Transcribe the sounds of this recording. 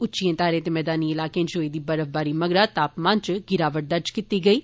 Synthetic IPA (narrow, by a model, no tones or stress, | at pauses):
ʊtːt͡ʃijẽːt̪aːɾẽːt̪eːmɛːd̪aːniːɪlaːkẽːd͡ʒoːiːd̪iːbəɾəfbaːɾiːməɡɾaːt̪aːpmãːnt͡ʃɡɪɾaːʋəʈ̚d̪əɾd͡ʒkit̪iːɡəiː